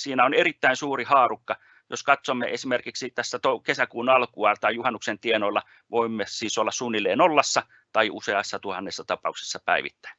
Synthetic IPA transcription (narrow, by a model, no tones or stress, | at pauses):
siːnæonerit̪ːæinsuːrihɑːrukːɑ | joskɑt̪somːḛʔesimerkiksit̪æsːæt̪okesækuːnɑlkuɑt̪ɑijuhɑnːuksent̪ienoilːɑ | ʋoimːesiːsolːɑssunːilːˑeːnolːɑsːɑ | t̪ɑiʔṵseɑsːɑt̪uhɑnːesːɑt̪ɑpɑ̰ukse̥sːɑpæiʋḭt̪ːæ̥in